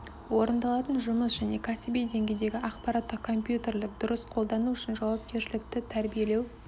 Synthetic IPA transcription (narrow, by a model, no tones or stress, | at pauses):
wo̞ɾənd̪ɑlˠɑt̪ənʒʊməsʒæne̞kʰɑsɪbijd̪e̞ŋɡʲe̞d̪e̞ɡʲɪʔɑqpɑɾɑt̪ːəqkʰo̞mpjut̪e̞ɾlɪk̚d̪ʊɾəsqʰo̞lˠd̪ɑnuʏʃɪnʒɑwɑp̚kʲʰe̞ɾʃɪlɪkt̪ɪt̪ʰæɾbije̞le̞w